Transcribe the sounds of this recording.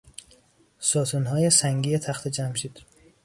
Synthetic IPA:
sɒːt̪ʰunɦɒːjesæŋɡiːjet̪ʰæxt̪ʰed͡ʒæmʃiːd̪̥

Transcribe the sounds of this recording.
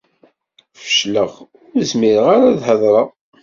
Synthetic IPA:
fə̥ʃləʁ | ʊɾəzmɪɾəʁaɾaðhəðˤɾˤəʁ

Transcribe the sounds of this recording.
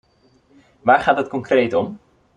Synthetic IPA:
ʋaːɹχaːtɦətkɔŋkrejtɔm

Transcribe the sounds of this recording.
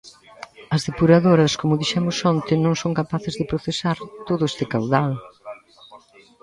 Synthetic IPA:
ɐzðepuɾaðoɾɐskomʊðiʃɛmʊsɔnt̪ɪnõŋsoŋkapaθɪzðɪpɾoθesaɾt̪oðʊɛst̪ɪkawðal

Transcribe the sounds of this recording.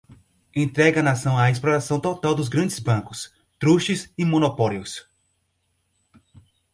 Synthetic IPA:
ẽnt̪ɾɛɡɐnasɐ̃w̃aisploɾasɐ̃w̃t̪ot̪awd̪ʊzɡɾɐ̃nd͡ʒɪzbɐ̃kʊs | t̪ɾuʃɪzɪmõnopɔljʊs

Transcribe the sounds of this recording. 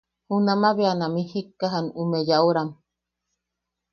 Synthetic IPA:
hunamaβeanamihikːaɦanumejauɾam

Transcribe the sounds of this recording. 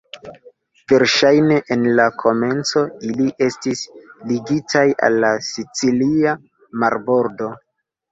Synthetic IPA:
v̥e̞ɾʃajne̞ʔenlakʰo̞me̞nt͡so̞iliʔe̞stisliɡitʰaja̰lːasit͡silia | maɾbo̞ɾdo̞

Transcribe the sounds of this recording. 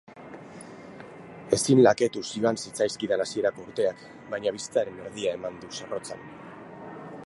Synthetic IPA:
e̞sinlake̞t̪usioansit͡sajskiðanasie̞ɾako̞uɾt̪e̞ak | bajɲaβ̞ist͡saɾe̞ne̞ɾðiae̞mand̪usaro̞t͡sa̰n

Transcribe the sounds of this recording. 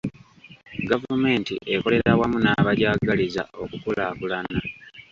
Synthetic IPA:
ɡavume̞ːntiʔeko̞le̞ɾawamunaːβaɟaːɡaliza̰o̞kukulaːkulana

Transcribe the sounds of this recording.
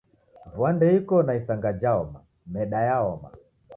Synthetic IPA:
vwandɛikɔnaisaŋɡad͡ʒaɔma | mɛɗajaɔma̰

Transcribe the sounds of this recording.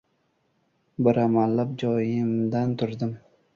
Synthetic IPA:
bɪɾamalːap̚d͡ʒɒjɪmd̪ant̪ʰʊɾd̪ɪm

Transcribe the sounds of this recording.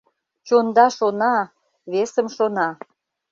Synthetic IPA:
t͡ɕond̪ɑʃonɑ | βesəmʃonɑ

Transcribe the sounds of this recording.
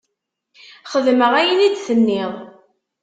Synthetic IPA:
χəðməʁæjənid̪θənːɪðˤ

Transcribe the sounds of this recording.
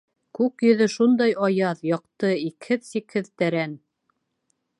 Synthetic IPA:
kʉkjɵ̆ðɵʃund̪ɑjɑjɑðjɑq̚t̪ɤikhɘðsikhɘðt̪æɾæn

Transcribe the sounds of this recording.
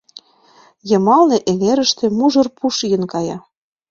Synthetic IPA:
jɤ̆mɑlneʔeŋeɾə̆ʃt̪ĕmuʒɤ̆rpuʃjə̆nkɑjɑ

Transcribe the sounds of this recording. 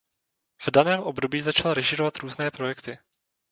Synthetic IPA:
v̥danɛːmʔo̞bdo̞biːzat͡ʃalɾɛʒɪɾovat̪ɾuːznɛːpɾo̞jɛkt̪ɪ

